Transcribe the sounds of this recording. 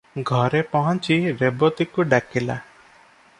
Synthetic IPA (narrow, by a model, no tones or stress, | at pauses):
ɡʱɔɾepɔɦɔ̃nt͡ʃiɾebɔt̪ikuɖakila̰